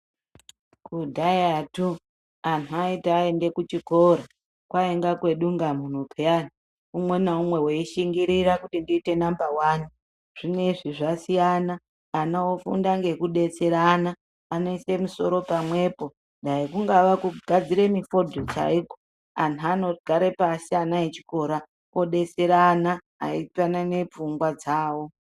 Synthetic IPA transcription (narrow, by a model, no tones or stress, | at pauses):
kudʱajatu | anuaitːe̞nde̞kut͡ʃiko̞ɾa | kwaeŋɡakwe̞ɗuŋɡamun̤upʰeani | umwe̞naumwe̞weiʃiŋɡiɾiɾakutindiːte̞nambawaːni | ʐ̥ine̞ʐiʐasijanaː | naofṵndaŋɡe̞kuɗe̞t͡se̞ɾanaː | no̞isemuso̞ɾo̞pamwe̞po̞ | ndaikuŋɡaʋakuɡʱad͡ziɾe̞mifo̞dʱot͡ʃa̰iɡo | anuano̞ɡ̥ʱaɾe̞paseanaet͡ʃi̥ko̞ɾa | oɗe̞t͡seɾaːna̰ː | ipanane̞p͡fuŋɡwad͡zaːwo̞